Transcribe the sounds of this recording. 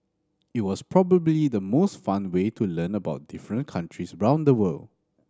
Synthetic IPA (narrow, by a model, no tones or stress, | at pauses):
it̚wɔspɹɔbəblidəmosfãnwetulə̃nəbaʊt̚d̥ɪfɹə̃nkʰãntʰɹisɹãʊ̃ndəwəl